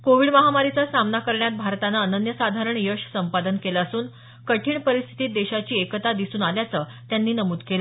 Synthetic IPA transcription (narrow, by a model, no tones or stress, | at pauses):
koʋiːɽməɦamaɾit͡sasamnakəɾɳjat̪̚bʱaɾt̪anaənənjəsad̪ʱaɾəɳjəɕsəmpad̪ənkelaəsuːn | kəʈʰiːɳpəɾist̪ʰi̥t̪iːt̪̚d̪eɕat͡ɕiːekət̪ad̪isuːnaljat͡səː | t̪janːiːnəmuːd̪kela